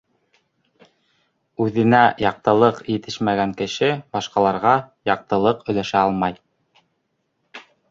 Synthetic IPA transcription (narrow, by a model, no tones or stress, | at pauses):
ʉðɘ̆næjɑq̚t̪ɤ̆lˠɤqjɘ̆t̪ɘʃmæɡæŋkɘ̆ʃɘbɑʃqɑlˠɑɾʁɑjɑq̚t̪ɤ̆lˠɤqɵ̆læʃæɑlˠmɑj